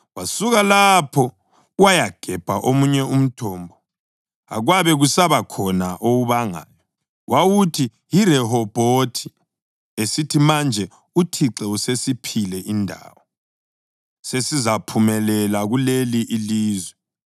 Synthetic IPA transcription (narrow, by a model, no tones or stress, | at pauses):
wasuɣalapʰɔ | wajaɡ̥ʱɛb̥ʱaʔomuɲɛum̩tʰɔːmbʱɔ | a̰ɣwaβɛɣusaβakʰɔnaʔouβaŋa̰ːjɔ | wʔawutʰi | jirɛɦɔb̥ʱotʰi̥ | esitʰimand͡ʒʱɛ | utʰiǀɛusesipʰilɛʔindʱa̰ːwɔ | sesizapʰumɛlɛlaɣuleliʔiliːzwɛ